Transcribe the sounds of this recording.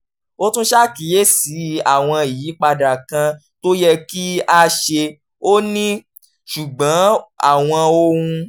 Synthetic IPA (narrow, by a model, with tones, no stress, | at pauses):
o˦tũ˦ʃa˦ki˨˦je˦˨si˨˦a˨w̃ɔ̃˧i˨jiː˨˦k͡pa˧da˨kã˧ | to˦jɛ˧ki˦a˦ʃe˧ | o˦nĩ˦ | ʃu˨ɡ͡bã˨˦a̰˦˨w̃ɔ̃˧o˧wũ˧